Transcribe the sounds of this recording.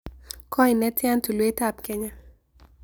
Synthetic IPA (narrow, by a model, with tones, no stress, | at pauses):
kʰɔ˦i˨nɛ˦tja˦ntu˨lwe˦ta˦˨p̚kɛ˦ɲa˦